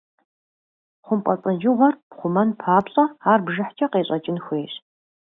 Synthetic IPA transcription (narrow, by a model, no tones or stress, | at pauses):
χʷʊmqʷʼɐt͡sʼɐd͡ʒɪʁʷɔrpχʷʊmɐnpʰaːpɕʼɐaːrbʒɐħt͡ʃʰʼɐqeːɕʼɐt͡ʃʼɪnxʷeːɕ